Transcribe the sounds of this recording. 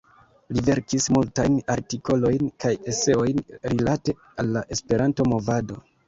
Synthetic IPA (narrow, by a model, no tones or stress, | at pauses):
live̞ɾkismultajnaɾtiko̞lo̞jnkaje̞se̞o̞jnɾilate̞ | alːaʔe̞spe̞ɾanto̞mo̞vado̞